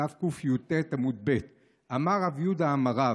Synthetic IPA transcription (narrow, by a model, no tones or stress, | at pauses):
afkufjud̪̚tet̪amud̪̚bet̪ | amaʁavjud̪aːmaʁa